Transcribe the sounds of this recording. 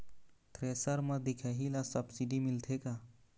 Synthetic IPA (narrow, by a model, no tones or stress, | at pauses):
t̪ɾesəɾməd̪ikʰaɦilasəbsiɖimilt̪ʰeka